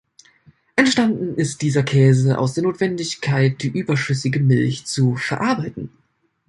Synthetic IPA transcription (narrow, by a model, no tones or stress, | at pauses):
ʔɛntʃtandn̩ɪst̚d̥iːzɐkʰɛːzəʔa̰ʊsd̥eːɐnoːtv̥ɛndɪçkʰaɪt̚d̥iːʔyːbɐʃʏsɪɡəmɪlçt͡sufɛɐʔaɐbaɪtn̩